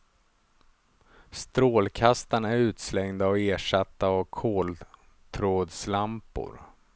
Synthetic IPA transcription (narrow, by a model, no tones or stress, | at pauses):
st̪ɾoːlkʰast̪anæɾʉ̟ːt̪slɛŋd̪aɔeːʂat̪ːaːkʰoːl | t̪ʰɾoːd̪slampʊ̰ɾ